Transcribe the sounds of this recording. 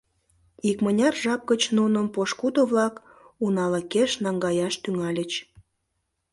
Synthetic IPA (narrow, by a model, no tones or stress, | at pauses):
ikmənʲɑrʒɑp̚kət͡ɕnunəmpoʃkud̪oβlɑk | unɑləkeʃnɑŋɡɑjɑʃt̪yŋɑlʲət͡ɕ